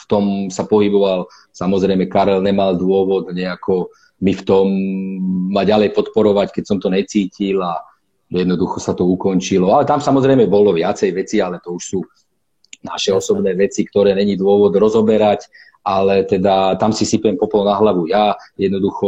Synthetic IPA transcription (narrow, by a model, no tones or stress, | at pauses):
ft̪ɔmsapɔɦibɔʋal | samɔzɾɛjmɛkaɾɛlɲɛmald̪ʊɔʋɔd̪ɲɛakʰɔ | mift̪ɔmː | aɟalɛjpɔt̪pɔɾɔʋackɛcsɔmt̪ɔɲɛt͡siːcila | jɛd̪nɔd̪uxɔsat̪ɔukɔnt͡ʃilɔalɛt̪amsamɔzɾɛjmɛbɔlɔʋɪat͡sɛjʋɛt͡sialɛt̪ɔuʃsuː | na̰ʃɛɔsɔbnɛːʋɛt͡sikt̪ɔɾɛːɲɛɲid̪ʋʊɔʋɔd̪ɾɔzɔbɛɾac | ʔalɛt̪ɛd̪at̪amsisipɛmpɔplɔnaɦlaʋujajɛd̪nɔd̪uxɔ